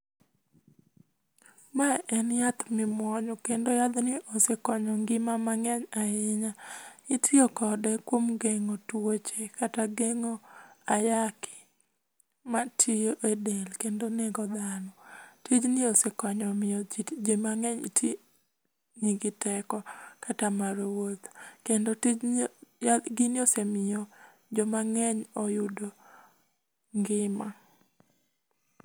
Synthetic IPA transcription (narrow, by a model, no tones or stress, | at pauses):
maʔɛnjat̪mɪmwɔɲɔkendojad̪nɪʔosekɔɲɔŋɡɪmamaŋɛɲaɪɲaitʰɪokɔdɛkwomɡeŋotwot͡ʃekataɡeŋoajakɪ̥ | matʰijoʔedelkendoneɡɔd̪anɔtid͡ʒnɪosekwaɲɔmɪɔd͡ʒid͡ʒemaŋɛɲitʰi | ɲiɡɪtɛkɔkatamaɾewot̪kendoti | ɡinjosemɪjɔ | d͡ʒɔmaŋɛɲɔjʊdo | ŋɡɪma